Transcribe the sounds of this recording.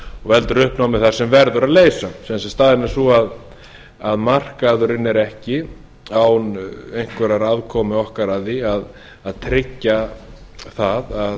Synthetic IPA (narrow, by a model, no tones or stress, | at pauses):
ɔɣvɛlt̪ʏɾʏhpnawmɪθaɾ̥sɛmvɛɾðʏɾaðleːjsasɛðansɛst̪aːðɪnasuað | aðmar̥kaðʏɾɪnːɛɾɛhcɪ | awnejŋ̥kvɛɾaɾaðkʰɔːmɪɔhkaɾaðiað | aðt̪ʰɾɪcːa | θaðað